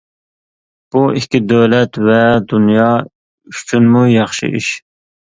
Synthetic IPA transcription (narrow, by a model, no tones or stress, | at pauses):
b̥uʔikʲːid̪øwlɛt̪vɛd̪unjɑː | yt͡ʃʰynmujɑχʃɨ̰ʔḭʃ